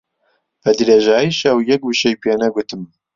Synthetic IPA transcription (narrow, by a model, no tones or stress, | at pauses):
b̥ɛd̪ɾeːʒɑːjiʃɛwjɛk̚wuʃɛjpʰeːnɛɡʷʊt̪ɨm